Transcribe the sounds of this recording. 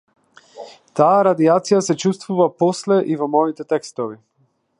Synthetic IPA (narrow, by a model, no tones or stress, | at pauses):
t̪aaɾad̪iat̪sijasɛt͡ʃust̪vuvapɔslɛʔivɔmɔit̪ɛt̪ɛkst̪ɔvi